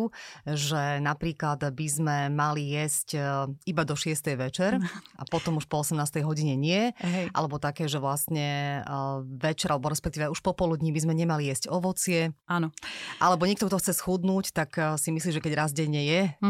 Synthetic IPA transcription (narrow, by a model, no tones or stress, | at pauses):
uʒɛnapɾiːklad̪bizmɛmalijɛscibad̪ɔʃɪɛst̪ɛjʋɛt͡ʃɛɾa̰pɔt̪ɔmuʃpɔɔsɛmnaːst̪ɛjɦɔɟiɲɛɲɪɛɦɛʔa̰lɛbɔt̪akɛːʒɛʋlast̪ɲɛ | ʋɛt͡ʃɛɾʔalɛbɔɾɛspɛk̚t̪iːʋɛuʃpɔpɔlud̪ɲibizmɛɲɛmalijɛzcɔʋɔt͡sɪɛaːnɔʔalɛbɔɲɛkt̪ɔk̚t̪ɔxt͡sɛsxud̪nuːct̪aksimisliːʒɛkɛɟɾazɟɛɲɛjɛ